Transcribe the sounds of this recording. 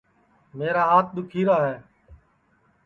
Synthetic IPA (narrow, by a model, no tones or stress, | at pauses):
meːɾaːɦaːt̪̚ʰɗ̪ʊkʰiːɾaːɦɛː